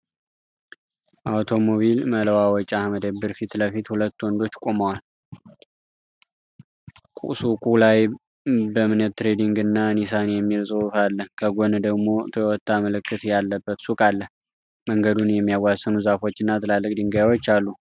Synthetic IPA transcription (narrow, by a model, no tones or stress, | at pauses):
ʔawt̪ʰo̞moβilmələwawɔt͡ʃʼaməd̪əbːɨɾfit̪ləfit̪hulət̪ːwɔnd̪o̞t͡ʃːkʼo̞məwal | kʼṵsukʼulaj | bəmɨnət̪t̪ːɾe̞d̪iŋɡɨnːanisanejɛmːiɾsʼəwfalːəhkʰəɡond̪əɡmo̞t̪ʰəwɔt̪ːaməlɨkːɨt̪jalːəbːət̪sukʼalːəh | məŋɡəd̪unjɛmːijawːasːənuzafo̞t͡ʃːɨnːat̪ʰɨlalːɨkʼd̪ɨŋɡajwot͡ʃːalːu